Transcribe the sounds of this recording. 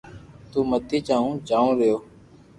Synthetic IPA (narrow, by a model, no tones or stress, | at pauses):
t̪uːmət̪iːt͡ʃaːũːt͡ʃaːũːɾɪjoː